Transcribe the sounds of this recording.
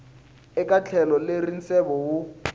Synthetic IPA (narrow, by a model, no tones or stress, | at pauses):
ɪkʼat͡ɬʰɛlɔlerin̩sɛbɔwʊ